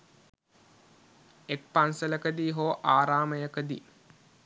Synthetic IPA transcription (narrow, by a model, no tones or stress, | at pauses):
ek̚pansələkəd̪iːɦoːʔaːɾaːməjəkəd̪ḭː